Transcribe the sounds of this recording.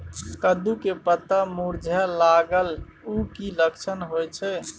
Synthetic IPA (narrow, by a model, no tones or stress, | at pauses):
kəd̪ukepət̪amuɾd͡ʒʱalaɡəl | ukiləkt͡ʃʰənɦojt͡ʃʰɛ